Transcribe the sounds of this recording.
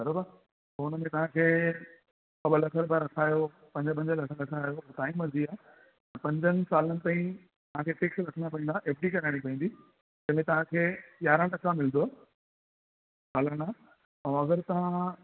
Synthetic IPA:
bɐɾobə | ʊnəmẽt̪ɐʋ̤ãkʰeː | kɐɓəlɐkʰəɾbaːɾɐkʰaːjo | pɐ̃ɲd͡ʑəp̬ɐ̃ɲd͡ʑəlɐkʰəɾɐkʰaːjot̪aːĩmɐziaː | t̪ɐpɐ̃ɲd͡ʑənɪ̆saːlənɪ̆t̪ãːĩ | t̪ɐʋ̤ãkʰeːʈɪksɾɐkʰənd̪apɐĩnd̪aːʔeːpʰʈikɐɾaːɽ̃ipɐɦĩːnd̪iː | d͡ʑɐ̃ːmẽt̪ɐʋ̤ãkʰeːʄaːɾãlɐkamɪlnd̪oaː | saːləɽ̃aː | ɐ̃ɐɡəɾt̪ɐɦã

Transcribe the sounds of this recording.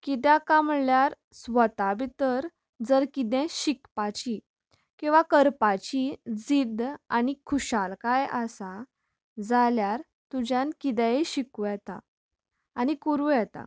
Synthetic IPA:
kit̪̬jakamljaɾ | sʋət̪abit̪əɾ | d͡zəɾkit̪̬ɛ̃ɕikpat͡ɕi | kĩw̃ʋakəɾpat͡ɕid͡zid̪anikʰuɕalkajasa | d͡zaljaɾ | t̪ud͡ʑjãnkid̪ɛeɕikujɛt̪aː | nikuɾujɛt̪a̰

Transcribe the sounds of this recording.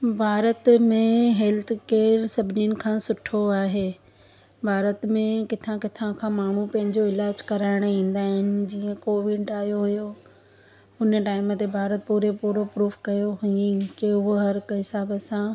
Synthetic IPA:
bʱaːɾət̪mẽɦɛlt̪ʰkeːɾsɐbʱɪninɪ̆kʰãːsʊʈʰoaːɦeː | bʱaːɾət̪mẽkɪt̪ʰãkɪt̪ʰãkʰãːmaːɳ̤upɐ̃ɦɪ̃ɲd͡ʑoɪlaːd͡ʑkɐɾaːɪɽ̃ĩːn̆d̪aːɦɪnɪ̆d͡ʑiːə̃koːʋɪɖaːijoɦujo | ʊnəʈaːɪmt̪ebʱaːɾət̪̚puːɾepuːɾopɾuːfkɐjoɦuĩkeʊɦɐɾkɦɪsaːbəsã

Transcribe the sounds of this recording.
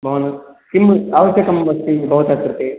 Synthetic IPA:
bʱɐʋɐnɐ | kimːaːʋɐʃjɐkɐmbɐst̪ibʱɐʋɐt̪akɾt̪e

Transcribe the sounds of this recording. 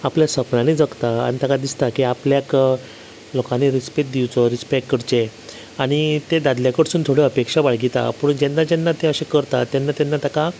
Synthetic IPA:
apljasəpnanid͡zəkt̪aa̰ñit̪akad̪ist̪akiapljak | lokãneɾispeʈ̚d̪iwt͡sɔɾispekkːəɾt͡ɕe | aɽ̃it̪ed̪ad̪ljakəʈsuːnt̪ʰoɽeəpekʂabaɭɡit̪a̰pəɳd͡ʑenːad͡ʑɛnːat̪eəɕẽkəɾt̪at̪jɛnːat̪ɛnːat̪aka

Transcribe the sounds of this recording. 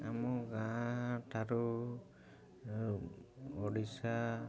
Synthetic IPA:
amɔɡãtʰaɾu | ɔɽisa

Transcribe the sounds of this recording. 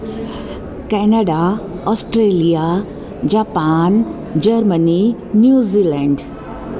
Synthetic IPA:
kɛnaɖa | ɔːsʈɾeːlija | d͡ʑaːpaːn | d͡ʑɐɾməni | njuːzilɛ̃ːɳɖ

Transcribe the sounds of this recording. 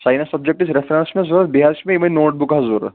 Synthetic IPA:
saːjnasɐbd͡ʒek̚ʈisɾefɾẽnsmezuɾbiɦaɾsmẽimɐnoːʈ̚bukɦɐzuɾ̰

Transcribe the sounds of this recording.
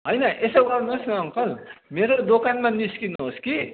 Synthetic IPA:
ɦʌjnʌʔesʌɡʌrnuɦosnʌʌŋkʌlmeɾod̪okanmaniskinuɦoski

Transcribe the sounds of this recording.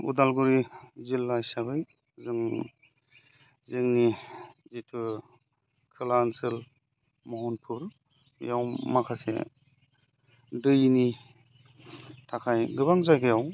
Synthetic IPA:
ṵdalɡuɾizilːajsaβɯj | zɯŋ | zɯŋnizitʰɯ | kʰɯlansɯl | mɔɦɔnpʰuɾ | jawmakʰasḛ | dɯjni | tʰakʰajɡɯβaŋzajɡajaw

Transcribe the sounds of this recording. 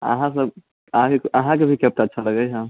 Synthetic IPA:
ə̰ɦãs̬əb | ɦãkeəɦãkebʱikep̚ʈaətːʃʰaləɡəjɦã

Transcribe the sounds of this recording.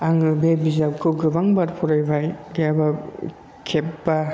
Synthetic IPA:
aŋɯbebizakʰɯɡɯbaŋbaɾpʰɔɾajbajɡaba | kʰepba

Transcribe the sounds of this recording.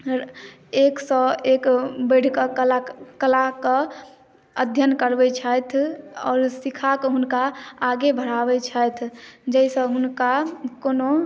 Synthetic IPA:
eksɔekbəɽ̤kəlakəlakə | əd̪ʱjənkəɾbɛt͡ʃʰəjt̪ʰɔːɾsikʰakɦʊnkaːɡebʱəɽabɛt͡ʃʰəjt̪ʰd͡ʒɛisə̃ɦʊnkakono

